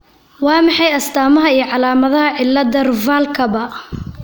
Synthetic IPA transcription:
wɑːmɑħɑjɐst̪ʰaːmɐɦɐijɞʕɑlaːmɐðɐɦɐʕɪlːɐd̪ɐrʊvaːlkʰɐβɐ

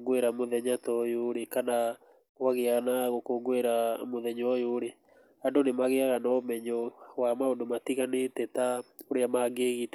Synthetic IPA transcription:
ɡweɾamoðɛɲatɔjoɾekana | ɣwaɣeaɣnaɣokoɡoeɾamoðɛɲɔjoɾe | andonemaɣeaɣanɔomɛɲɔwamaodomatiɣanetɛtaoɾeamaɡeːɣitɛ

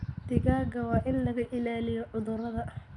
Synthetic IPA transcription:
d̪̥ɪɣaːɡɐwɑːʔɪnlɐɣɐʔɪlaːlɪjɔʕʊðʊɾɐðɐ

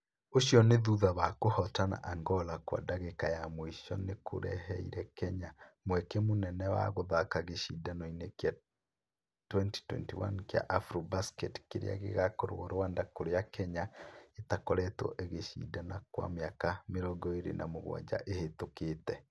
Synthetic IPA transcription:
oʃjɔneðuðaβakohɔtana̰ʔaŋɡɔlakwa̰daɣekajamoiʃɔnekʰo̰ɾɛ̰ɦɛiɾɛkɛɲamwɛkɛmonɛnɛwa̰ɣoðakaɣeʃidanoinekja | twɛnti̥twɛ̰ntiwa̰nkja̰ʔafɾobaskɛtkeɾḛa̰ɣḛɣakoɾo̰oɾowandakoɾejakɛɲaetakɔɾɛtɔ̰ʔeɣeʃḭdanakwa̰meakameɾɔɡɔeɾḛnʔa̰moɣwa̰d͡ʒa̰ʔehetoketɛ

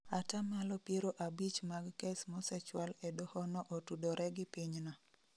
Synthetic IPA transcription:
atamalɔpjeɾoʔabit͡ʃmaɡkɛsmɔsɛt͡ʃwalɛdohɔnɔʔotudoɾʔɛɡɪpiɲna

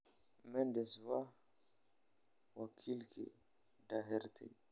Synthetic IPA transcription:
mɛnd̪eswa | wakʰilkḛ | daɦɛɾt̪ʰḛ

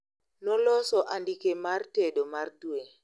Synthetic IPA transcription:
nɔlɔsɔʔandikemartedomardue

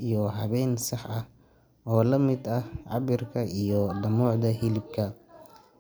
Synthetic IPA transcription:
ijɔɦɐβɛjnsɑħɐh | ɔːlɐmɪd̪ɐhʕɑbɪrkʰɐijɔd̪ɐmuːʕd̪ɐɦɪlɪb̚kʰɐ

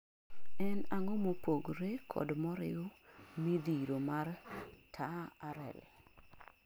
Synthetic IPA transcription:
ɛnaŋɔmopoɡɾekʰɔ̰dmɔɾɪ̰omid̪iɾomartʰaaɾɛ̰l

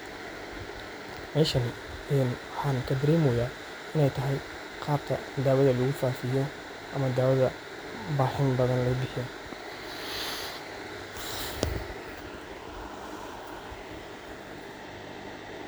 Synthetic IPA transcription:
mɛːʃɐn | ɛnwħɑːnkʰɐd̪ɐɾɛːmɔjaː | ɪnɛjt̪ʰɐɦɛj | qɑːb̚t̪ʰɐ | d̪aːwɐðɐlɐɣʊfaːfɪjɔ | ʔɐmɐd̪aːwɐðɐ | baːħɪnbɐðɐnlɐɣʊbɪħɔ

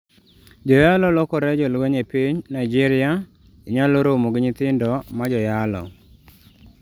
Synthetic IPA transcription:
d͡ʒɔjalɔlɔkɔɾɛd͡ʒɔlweɲepiɲnaɪd͡ʒɪɾɪa | iɲaloɾomoɡɲɪt̪ɪndɔmad͡ʒɔjalɔ̰

